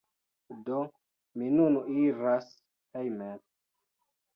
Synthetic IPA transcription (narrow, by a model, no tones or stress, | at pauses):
do | minuniɾas | hejmen